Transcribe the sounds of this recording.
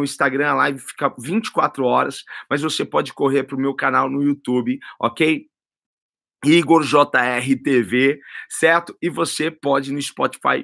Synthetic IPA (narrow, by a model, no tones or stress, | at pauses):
ʊĩst̪aɡɾɐ̃ɐlajvɪfi̥kɐvĩnt͡ʃɪ̥kwat̪ɾʊɔɾɐsmɐzvosepɔd͡ʒɪkoɦeɾpɾʊmewkanawnʊiut̪ubɪɔ̰kej | iɡoɾʒɔt̪ɐɛɦɪt̪evesɛɾt̪ʊ̥ɪvosepɔd͡ʒɪnʊispɔt͡ʃi̥fa̰j